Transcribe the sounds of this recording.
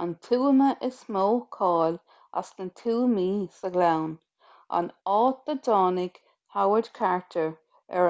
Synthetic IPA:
ant̪ʰuːməʔɪsmoːkʰɑːl | a̰snət̪ʰuːmiːsəɡlawn | a̰nɑːt̪̚ədɑːnɪɡ̥ | hawədkʰaɹtʰəɹ | ɛ

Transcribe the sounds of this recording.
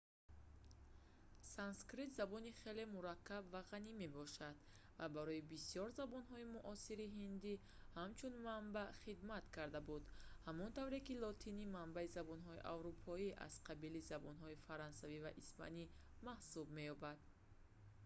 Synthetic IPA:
sanskɾit̪zabɔniχe̞le̞muɾakʰːabvaʁanime̞bɔʃad̪̥ | vabaɾɔibisiɔɾzabɔnɦɔimuʔɔsiɾiɦind̪i | hamt͡ʃʰunmambaχid̪mat̪kʰaɾd̪abud̪hamɔnt̪ʰavɾekilɔt̪ʰinimambaizabɔnɦɔiʔa̰vɾupʰɔia̰z̥qʰabilizabɔnɦɔifaɾɔnsaviva̰ʔispʰa̰ni | mahsub̚me̞jɔbad̪̥

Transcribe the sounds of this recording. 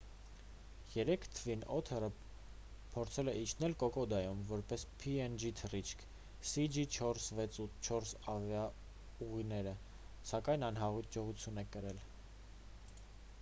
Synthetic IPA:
jɛɾɛkʰt̪ʰəvinɔt̪ʰɛɾə | pʰɔɾt͡sʰɛlɛʔit͡ʃʰnɛlkɔkɔd̪ɑjumvɔɾpɛspʰiɛnd͡ʒit̪ʰərit͡ʃʰkʰ | sid͡ʒit͡ʃʰɔɾsvɛt͡sut̪ʰt͡ʃʰɔɾsɑvjɑ | uʁinɛɾə | sɑkɑjnɑnɦɑʁud͡ʒɔʁut͡sʰjunɛkəɾɛl

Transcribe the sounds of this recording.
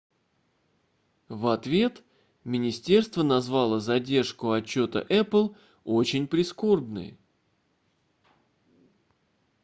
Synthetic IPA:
vɐt̪vʲe̞t̪ | mʲɪnʲɪsʲtʲe̞rst̪vənɐzvalˠəzɐdʲe̞rʂkʊɐt͡ɕːo̞t̪ə̰ʔɛplˠ | o̞t͡ɕɪnʲpɾʲɪsko̞rbnɨ̰j

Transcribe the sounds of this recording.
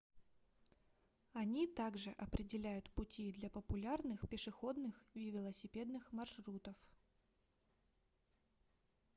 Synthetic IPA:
ɐnʲit̪aɡʐɨʔɐpɾʲɪdʲɪlʲæjʊt̪pʊtʲid̪lʲɐpəpʊlʲarnɨxpʲɪʂɨxo̞d̪nɨxivʲɪlˠəsʲɪpʲe̞d̪nɨxmɐrʂɾut̪əf

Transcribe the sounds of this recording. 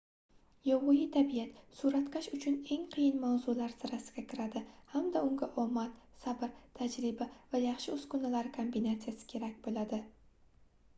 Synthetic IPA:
jɒwʁʊjɪt̪ʰabijat̪suɾat̪kʰʲaʃʊt͡ʃʰʊne̞ŋqʰɨjɪnmawzʊlaɾzɪɾasɪɡʲakʲʰɪɾad̪ɪhamd̪aʊŋɡʲaʔɒmat̪sabɪɾt̪ʰad͡ʒɾɪbavajɑχʃɪʊskʊnalaɾɪkʰombinat̪sijasɪ̥kʲʰe̞ɾakʲbolad̪ɪ

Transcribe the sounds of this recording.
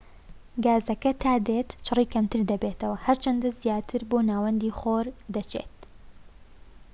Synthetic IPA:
ɡaːzɐkɐt̪ʰaːd̪et̪t͡ʃʰɨriːkʰɐmt̪ʰɨɾd̪ɐbeːt̪ʰɐwɐhɐɾt͡ʃɐnd̪ɐzijaːt̪ʰɨɾboːnaːwɐnd̪iːχoːɾd̪ɐt͡ʃʰḛːt̪̚

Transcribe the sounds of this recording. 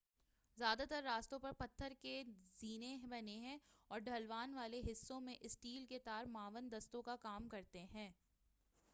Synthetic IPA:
zjaːd̪at̪əɾːaːst̪õpɐɾpɐt̪ʰːəɾkeziːnebɐneɦɛ̃ɔːɾɖʱɐlʋaːnʋaːleɦɪsːõmẽʔɪsʈiːlket̪aːɾmaːʋənd̪ɐst̪õkakaːmkɐɾt̪eɦɛ̃ː

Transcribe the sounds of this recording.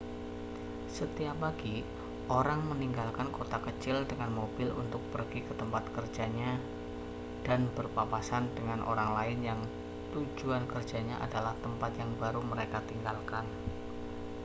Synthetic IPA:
sət̪iapaɡi | ʔoɾaŋməniŋɡalkankot̪akət͡ʃɪldəŋanmobɪlṵnt̪ʊk̚pərɡikət̪əmpat̪̚kərd͡ʒaɲa | d̥anbərpapasandəŋanʔo̰ɾaŋlaɪnjaŋ | t̪ud͡ʒuankərd͡ʒaɲaʔa̰dalaht̪əmpat̪jaŋbaɾuməɾekat̪iŋɡalkan

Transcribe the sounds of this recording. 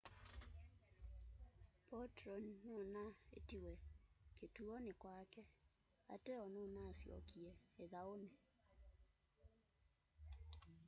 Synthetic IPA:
pɔtɾɔnnonaḛtiwɛketuɔnekwakɛ | a̰teɔnonasjɔ̰kiɛeðaone

